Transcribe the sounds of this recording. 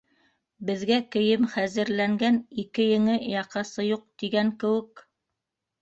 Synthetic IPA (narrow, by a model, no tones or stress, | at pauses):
bɘ̆ðɡækɘ̆jɘmχæzɘ̆ɾlæŋɡænikɘjɘ̆ŋɘjɑqɑsɤjuq̚t̪iɡæŋkɘ̆wɘk